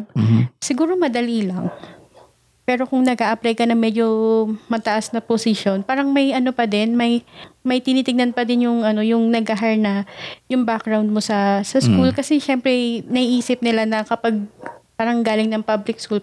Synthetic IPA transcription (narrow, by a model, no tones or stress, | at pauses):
sɪɡuːɾo̞mɐd̪ɐliːlɐŋ | pɛːɾo̞kʊŋnɐɡʔaʔɐplɛjkɐnɐŋmɛd͡ʒo̞mɐt̪ɐʔasnɐposɪʃjo̞npaːɾɐŋmɐjʔɐno̞pɐd̪ɪnmɐjmɐjt̪ɪniːt̪ɪɡnɐnpɐd̪ɪnjʊŋʔɐno̞jʊŋnɐɡʔɐɦaɹnɐjʊŋbak̚ɾɹawnd̪̚mo̞sɐsɐskkulkɐsɛʃɛmpɾɛjnɐiʔiːsɪp̚nɪlanɐkɐpɐɡ̚paːɾɐŋɡaːlɪŋnɐŋpablɪk̚skul